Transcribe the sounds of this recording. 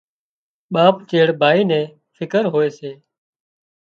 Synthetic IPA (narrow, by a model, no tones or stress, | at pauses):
ɓaːpt͡ʃeːɽbʱaːiːnɛ̃ː | fʰɪkəɾɦoːeːseː